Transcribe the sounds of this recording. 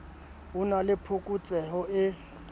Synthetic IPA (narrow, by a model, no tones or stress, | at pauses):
ɦunalɪpʰʊkʼut͡sʼɛɦɔɪ